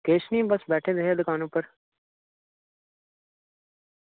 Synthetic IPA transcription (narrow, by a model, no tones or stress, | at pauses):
keːʃniːbɐsbɛːʈʰed̪ɐɦed̪kaːnũːpɐɾ